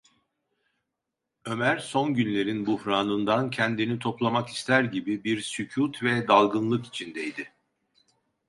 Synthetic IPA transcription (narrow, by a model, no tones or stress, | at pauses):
ø̞mæɾso̞nɟynlʲe̞ɾinbuhɾaːnɯnd̪ancʰɛnd̪init̪ʰo̞plˠamaki̥st̪ʰæɾɟibibiɾsycʰuːt̪vɛd̪alˠɡɯnlˠɯki̥t͡ʃʰind̪ɛjd̪ɪ